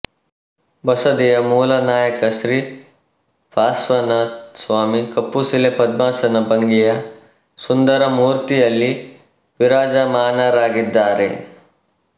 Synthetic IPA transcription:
bɐsɐd̪ijɐmuːlɐnaːjɐkɐsɾi | pʰaːsʋɐnɐsʋaːmikɐpːusilepɐd̪̚maːsɐnɐbɐŋɡijɐ | sund̪ɐɾɐmuːɾt̪ijɐlːi | ʋiɾaːd͡ʒamaːnaːɾaːɡid̪ːaːɾḛ

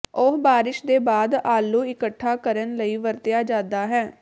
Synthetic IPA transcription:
ʊɦbaːɾɪʃd̪eːbaːd̪aːlːuːɪkəʈʰːaːkəɾənləiːʋəɾt̪ɪjaːd͡ʒãːd̪aːɦɛː

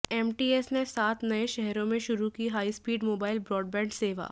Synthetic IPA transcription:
ɛːmʈiːesnesaːt̪ʰnɐeʃɛɦɾõmẽʃʊɾukiɦaːispiːɖmoːbaːɪlbɾɔːɖbɛ̃ːɳɖseːʋa̰ː

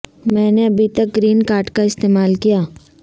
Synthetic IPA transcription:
mɛ̃ːneɐbʱit̪ɐk̚ɡɾiːnkaːɾʈkaɪst̪eːmaːlkijaː

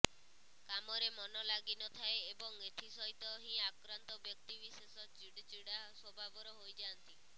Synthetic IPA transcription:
kamɔɾemɔnɔlaɡinɔt̪ʰaeːbɔŋet̪ʰisɔɦit̪ɔɦĩakɾant̪ɔbjɔk̚t̪ibisesɔd͡ʒiɽd͡ʒiɽaswɔbʱabɔɾɔɦojd͡ʒant̪i

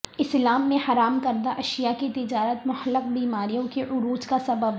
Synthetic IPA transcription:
ɪslaːmːẽhɐɾaːmkɐɾd̪aʔɐʃijaket̪ɪd͡ʒaːɾət̪mʊɦəlːəq̚biːmaːɾijõkeʔʊɾuːd͡ʒkasɐbəb

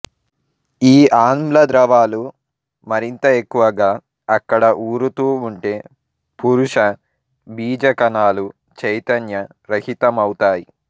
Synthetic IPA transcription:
iːʔaːnmlɐd̪ɾɐʋaːlu | mɐɾint̪ɐe̞kːuʋɐɡaː | ɐkːɐɽɐʔuːɾut̪uːɳʈe̞ː | puɾuʂɐ | biːd͡ʒɐkɐnaːlu | t͡ʃɐjt̪ɐnjɐ | ɾɐhit̪ɐmɐwut̪aːji

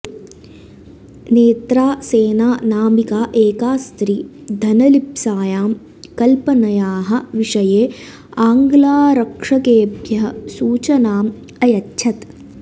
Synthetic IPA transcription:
neːt̪ɾaːseːnaːnaːmikaːʔeːkaːst̪ɾiːd̪ʱɐnɐlipsaːjaːm | kɐlpɐnɐjaːɦɐ̆ʋiʂɐjeː | aːŋɡlaːɾɐkʂɐkeːbʱjɐɦɐsuːt͡ʃɐnaːm | ɐjɐtːʃʰɐt̪

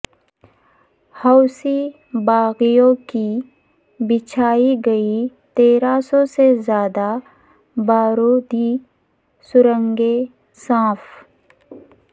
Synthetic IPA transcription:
haʊsi | baːɣijõki | bɪt͡ʃʰaːiɡɐit̪eːɾasɔsezjaːd̪a | baːɾoːd̪i | sʊɾə̃ŋɡe | sãːf

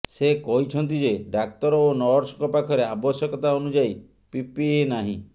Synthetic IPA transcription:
sekɔɦit͡ʃʰɔnt̪̬id͡ʒeɖak̚t̪ɔɾɔonɔɾsɔkɔpakʰɔɾeabɔsjɔkɔt̪aonud͡ʒai | pipienaɦḭ̃

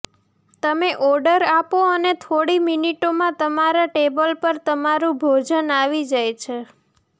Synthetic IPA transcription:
t̪əmeʔɔɾɖəɾapoənet̪ʰoɽiminiʈomãt̪əmaɾaʈebəlpəɾt̪əmaɾũbʱod͡ʒənaʋid͡ʒajt͡ʃʰe

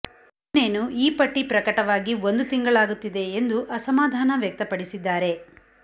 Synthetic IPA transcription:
neːnuiːpɐʈːipɾɐkɐʈɐʋaːɡio̞nd̪ut̪iŋɡɐɭaːɡut̪ːid̪e̞ːnd̪uʔɐsɐmaːd̪ʱaːnɐʋjɐk̚t̪ɐpɐɽisid̪ːaːɾe̞

